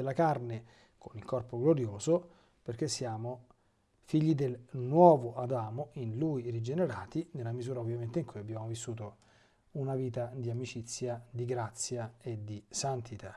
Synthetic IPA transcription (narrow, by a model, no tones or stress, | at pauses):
elːakarne | kʰonilkɔrpoɡloɾjoːzo | perk̟esːjaːmo | fiʎːid̪elnwɔːvoʔad̪aːmoinluirid͡ʒeneɾaːt̪inelːamizuːɾaovːjament̪eiŋkujabːjaːmovisːuːt̪o | unaviːt̪ad̪iamit͡ʃit̪sːjad̪iɡɾat̪sːjaed̪isant̪it̪a